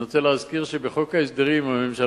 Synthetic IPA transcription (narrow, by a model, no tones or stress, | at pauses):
ot͡seleɦazkiʁʃebeχokaesd̪eʁimame̞mʃa